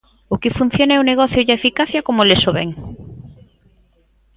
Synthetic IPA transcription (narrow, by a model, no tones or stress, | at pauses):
ʊkɪfun̟θjonɛuneɣɔθjʊʝaefikaθjɐkomolesoβɛŋ